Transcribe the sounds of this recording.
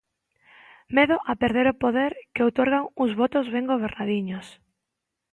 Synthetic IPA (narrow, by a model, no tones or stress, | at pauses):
meðʊʔapeɾðeɾopoðeɾkɪowt̪oɾɣaŋʊzβot̪ʊzβeŋɡoβ̞eɾnaðiɲʊs